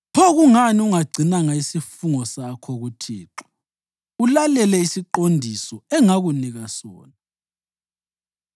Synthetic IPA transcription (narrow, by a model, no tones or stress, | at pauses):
pʰɔɣuŋaniuŋaɡ͡ǀʱinaŋaisifuŋɔsakʰɔɣutʰiːǁḁ | ulalɛlɛisiǃondʱisɔɛŋaɣuniɣasɔ̰ːna